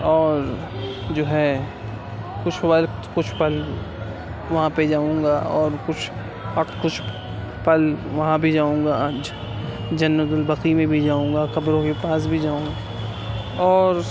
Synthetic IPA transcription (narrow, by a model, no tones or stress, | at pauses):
ɔːɾ | d͡ʒoːɦɛ | kʊt͡ʃʰwəlkʊt͡ʃʰpɐl | ʋɐɦãped͡ʒaːũːŋɡaɔːɾkʊt͡ʃʰ | ɐkʊt͡ʃʰ | pɐlʋɐɦãbʱid͡ʒaːũːŋɡa | d͡ʒɐnːəd̪ʊlbɐqimẽbʱid͡ʒaːũːŋ̆ɡakɐbɾõkepaːs̬bʱid͡ʒaːũːŋɡa | ɔːɾ